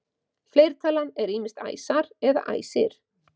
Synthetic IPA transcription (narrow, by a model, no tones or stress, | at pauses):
fleːjɾ̥t̪ʰaːlanɛɾiːmɪst̪a̰jsaɾɛða̰ʔa̰ːjsɪɾ̥